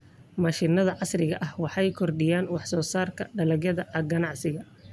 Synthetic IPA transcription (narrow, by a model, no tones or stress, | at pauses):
mɐːʃɪnɐðɐʕɑsrɪɣɐʔɐhwɑħɑjkʰɔrɖɪjaːnwɑħsɔːsaːrkʰɐɖɐlɐɣjɐðɐʔɐɡɐnɑʕsɪɣɐ